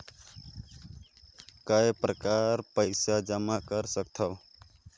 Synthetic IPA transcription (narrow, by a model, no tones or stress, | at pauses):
kajpɾəkaɾpəɪsad͡ʒəmakəɾsəkt̪ʰəw